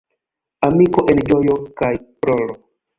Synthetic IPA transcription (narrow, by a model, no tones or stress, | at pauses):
amikoʔend͡ʒo̞jo̞kajpɾolo